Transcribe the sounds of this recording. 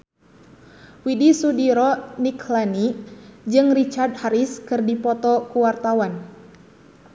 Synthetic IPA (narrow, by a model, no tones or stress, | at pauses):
widisudiɾɔniklanid͡ʒɨŋrit͡ʃard̪̚haɾiskɨrdipɔt̪ɔkuwart̪awan